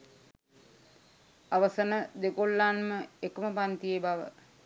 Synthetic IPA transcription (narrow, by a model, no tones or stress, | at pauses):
aʋəsənəd̪ekolːanməekəməpant̪ijebaʋə̰